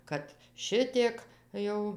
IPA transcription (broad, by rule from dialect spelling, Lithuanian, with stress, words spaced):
ˈkɐt ˈʃʲɪtʲiɛk ˈjɛʊ